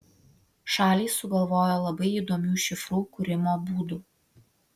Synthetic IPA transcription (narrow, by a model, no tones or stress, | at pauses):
ʃɑːlʲiːsʊɡɐlˠʋoːjoːlˠɐbɐɪiːˑd̪oːmʲuːʃʲɪfɾuːkʊɾʲɪmoːbuːd̪uː